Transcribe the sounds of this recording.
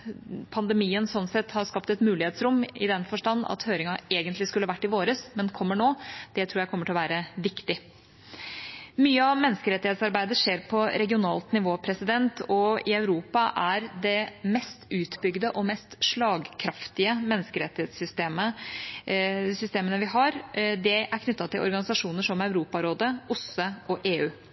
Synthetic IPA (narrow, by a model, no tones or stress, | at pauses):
pʰɑnd̪ɛmiːənsɔnːsɛt̪hɑɾskɑpt̪ɛt̪mʉːlɪheːt̪sɾʊmːɪ̰d̪ɛnfɔʂʈɑnːɑ̰t̪høːɾɪŋɑeːɡənt̪lɪskʉlːəɑʋæʈːɪʋoːɾəsmɛnkʰɔmːəɳoːd̪̥ɛt̪ʰɾuːɾjækʰɔməʈʰɪlɔʋæːɾəʋɪkt̪ɪ | myːəɑʋmɛnːskəɾɛt̪ːɪheːt̪sɑɾbæɪd̪əʂeːɾpʰɔɾɛɡɪʊnɑːlt̪nɪʋoːpʰɾɛsɪd̪ɛnt̪ʰɔɪɑʉɾuːpɑʔæɾd̪ɛmɛst̪ʉːt̪bʏɡd̪əʔɔmɛst̪ʂɭɑːɡkʰɾɑft̪ɪəmɛnːskəɾɛt̪ːɪheːt̪sʏst̪eːmə | sʏst̪eːmənəʋɪɦɑɾd̪ɛʔæɾkʰnʏt̪ːɑt̪ʰɪlʔɔ̰ɾɡɑnɪsɑʂuːnəʂɔmɑʉɾuːpɑɾoːd̪əʊsəɔʔeːʉː